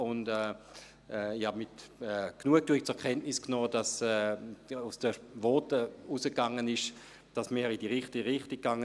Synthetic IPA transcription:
ʊndɛ | ɛihabmɪtɛknuək̚tuːɪk̚t͡sʊɛɐkʰɛntnɪsknɔːd̥ɑsɛusd̥əvɔtəusəkːaŋːənɪʃ | d̥asmiːɾidiʁɪχtiʁɪχtik̚ːaŋə

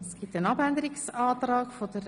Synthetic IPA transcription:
sɡ̥iːp̚tənɑbænd̪əɾɪksɑːt̪ɾɑːkfodəɾ

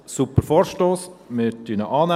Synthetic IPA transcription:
supəɾfɔːɾʃtoːsmɪtynəʔɑːna

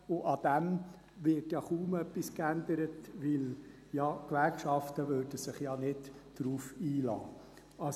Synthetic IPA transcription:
ʊʔɑd̥æm | ʋɪɾtjɑχuːmœpːiskænd̪əɾətʋɪl | jɑkʋæɾkʃɑftəʋøːɾd̥əsɪχjɑnɪdd̥ɾuːfiːlɑ̰ː | ɑ

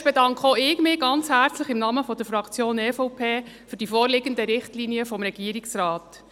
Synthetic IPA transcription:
b̥edɑŋkχəoɪːkmɪːɡɑnt͡shæːɾt͡slɪχɪmnɑməfɔd̥əɾfɾɑkt͡sjoːnɛːfɔwpʰeːfyɾd̥ifɔːɾlɪɡəndəɾɪχtliniəfɔmɾɛɡiəɾiksɾɑːt

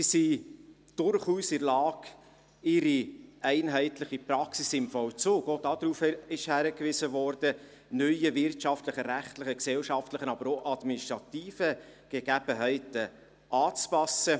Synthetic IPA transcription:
sisi | d̥ʊɾχuːsɪɾlɑːɡ | ɪɾiæɪnɦɛɪtləχipɾɑksisɪmfɔwt͡soːɡod̥ɑd̥̪ɾuːfɪʃhæɾəkʋɪsəvɔɾd̥ə | nœʏəvɪɾtʃɑftləχəɾæχtləχəksɛwʃɑftləχənɑbəɾoʔɑd̥̪miniʃtʁɑtiːfəɡ̥eɡæb̥əɦɛɪtə | ʔɑːt͡spɑsə

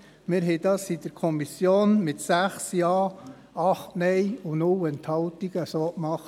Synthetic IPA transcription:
mɪɾɦɛɪd̥ɑsid̥əɾkʰɔmisjoːnmɪtsæχsjɑː | ɑχtnɛjunʊwɛntʰhɑltiɡ̥əsoːkmɑχt

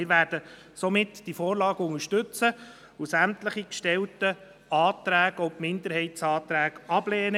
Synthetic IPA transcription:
ɪɾʋæːɾd̥ə | somɪtd̥ifɔːɾlɑːɡəʊŋəʃtɵt͡sə | ʊsæmtləχikʃtɛltə | ɑːt̪ɾæːɡ̥ɔpmɪnd̪əɾɦɛɪtsɑːt̪ɾæːɡɑb̥lɛːnə

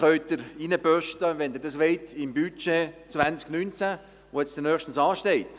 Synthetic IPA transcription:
œɥt̚d̪əɾinəpœʃtəʋɛnd̪ɪɾdɑsʋeɪtʰɪmbyt͡ʃet͡sʋænt͡sknynt͡sæ | ʋoɛt͡sd̥̪ənœːχʃtən̩sɑːʃtɛɪt̪

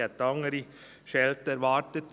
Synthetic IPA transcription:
ɛt̪ɑŋəɾi | ʃɛlt̪əɾʋɑːʈ̪ət̪

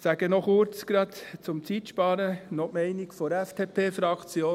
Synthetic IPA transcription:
sæɡ̥ənɔχʊɾt͡skɾɑt̪t͡sʊmt͡sit̪ʃpɑːɾənɔʔmɛɪnikfɔɾæfd̪ʰepʰeːfɾɑkt͡sjoː

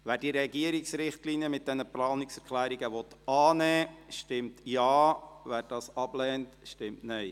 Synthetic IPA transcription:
ʋæːɾd̥iːɾɛɡiəɾiksɾɪχtlinijəmɪt̚d̥ɛnəplɑːniksɛɾklæːɾiɡəʋɔt̪ɑːnɛːʃtɪmtjɑːʋæːɾdɑːsɑblɛːntʃtɪmtnɛɪ

